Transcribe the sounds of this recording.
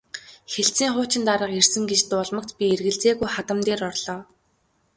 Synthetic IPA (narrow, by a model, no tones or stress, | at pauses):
xeɬt͡siːŋχʊːt͡ɕɪ̆nt̪aɾə̆qer̥sɘ̆ŋɡet͡ɕt̪ʊːɮmə̆k̚t̪pʲierɣɘ̆ɮt͡seːɣujχat̪ə̆mt̪eːɾɔrɮ̥ɔː